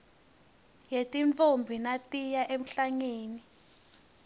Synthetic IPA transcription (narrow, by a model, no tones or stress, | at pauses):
jetʼiɱfombʱinatʼijaʔem̩ɬaŋeːni